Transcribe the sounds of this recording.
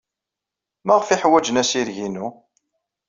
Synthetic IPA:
mæʁfiħwæd͡ʒnæsiɾʝinu

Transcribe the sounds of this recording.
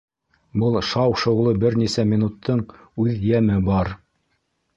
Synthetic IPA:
bɤlˠʃɑwʃŏʁlˠɤbɘɾnisæmʲinut̪ʰːɤɴ | ʉðjæmɘbɑɾ

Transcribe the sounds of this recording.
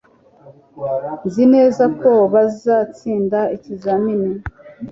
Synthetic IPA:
zine̞ːzako̞βazizaːt͡siːndaicizanini

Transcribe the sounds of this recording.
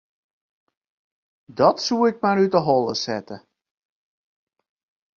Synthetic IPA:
dɔtsuɪk̚marytəɦɔlˠəsɛtə

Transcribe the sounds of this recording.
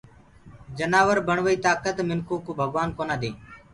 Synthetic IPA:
d͡ʒənaːʋəɾbʱəɳʋəiːt̪aːkət̪mɪnkoːkoːbʱəɡʋaːnkoːnaːd̪eː

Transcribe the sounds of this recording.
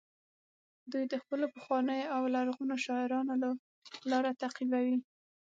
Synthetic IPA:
d̪ujd̪əxpəlopəxwɑnəjoawlaɾɣunoʃɑɪɾɑnola | lɑɾat̪aqibawi

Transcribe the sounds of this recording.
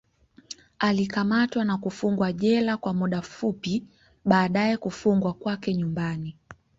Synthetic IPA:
alikamatwanakufuŋɡwaʄɛlakwamuɗafupi | ɓaːɗajɛkufuŋɡwakwakɛɲumbani

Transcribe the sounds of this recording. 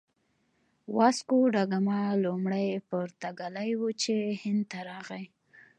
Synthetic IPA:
wɑskuɖaɡamalumɽajpʊɾt̪aɡalajwut͡ʃehɪnd̪̚t̪aɾɑɣaj

